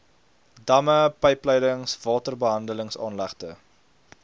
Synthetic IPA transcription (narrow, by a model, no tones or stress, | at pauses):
dɐməpəjplɛjdəŋsvɑːtərbəɦɐndələŋsɑːnlæχtə̰